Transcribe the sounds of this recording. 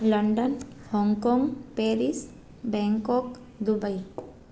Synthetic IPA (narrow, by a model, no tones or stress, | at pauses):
ləɳɖənhɔŋkɔŋɡpeɾis | bɛ̃ŋkɔk | d̪ubəj